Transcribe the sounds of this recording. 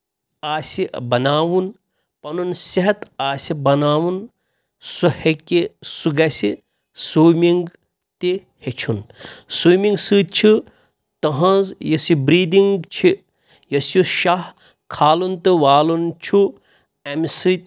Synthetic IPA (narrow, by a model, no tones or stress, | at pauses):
aːsʲibɐnaːwun | pɐnunsiɦɐt̪aːsʲibɐnaːwun | suhekesuɡɐsi | suːmiŋɡ | t̪i | het͡ʃʰunsuːmĩŋɡsɨːt̪̚t͡ʃʰi | t̪ɐɦɐ̃zjɐsibɾiːd̪iŋɡɡt͡ʃʰi | jɐsjuʃah | kʰaːlunt̪ɨʋaːlunt͡ʃʰu | ɐmsɨt̪̚ʲ